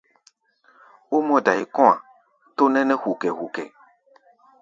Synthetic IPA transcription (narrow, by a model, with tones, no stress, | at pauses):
wo˦mɔ̃˦ɖa˨jḭ˨kɔ̃˦a̰˨ | t̪o˦nɛ̃˦nɛ̃˦hu˨kɛ˨ɦu˨kɛ̰˨